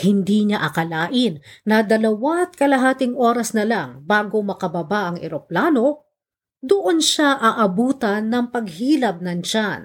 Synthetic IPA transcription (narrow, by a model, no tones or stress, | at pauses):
hɪnd̪iːɲaʔɐkɐlaːʔɪnːɐd̪ɐlɐwat̪̚kɐlɐɦaːt̪ɪŋʔo̞ːɾɐsnɐlaŋbaːɡo̞mɐkɐbɐbaʔɐŋʔɛ̰ɾoplaːno̞ | d̪ʊʔonʃaʔɐʔɐbuːt̪ɐnːɐŋpɐɡ̚hiːlɐb̚nɐnt͡ʃan